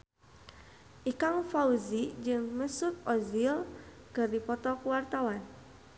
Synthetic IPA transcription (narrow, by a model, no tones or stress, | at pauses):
ʔikaŋfauzid͡ʒɨŋməsut̪̚ɔzil | kɨrdipɔt̪ɔkəwart̪awan